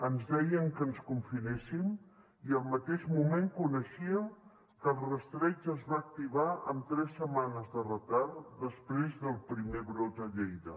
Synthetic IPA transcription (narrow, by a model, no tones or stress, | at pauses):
ənzðɛjəŋkənskuɱfinesim | iəlˠmət̪eʒmumeŋkunəʃiəŋ | kəlˠrəst̪ɾɛd͡ʒəzβaːk̚t̪iβaə̰mt̪ɾɛsːəmanəzðərət̪aɾtd̪əspɾezðəlˠpɾimeβɾot̪əʎejðə̰